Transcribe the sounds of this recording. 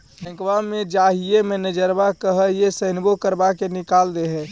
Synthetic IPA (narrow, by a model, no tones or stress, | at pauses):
ɦə̃ŋkʋamed͡ʒaɦijemenəd͡ʒəɾbakəɦəɦijesəɦnbokəɾbakenikald̪eɦɛ